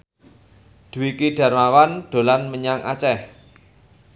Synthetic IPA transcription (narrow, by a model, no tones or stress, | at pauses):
d̪̥ṳwikiɖ̥ä̤rmawanɖ̥o̤lanməɲaŋʔa̰t͡ʃɛh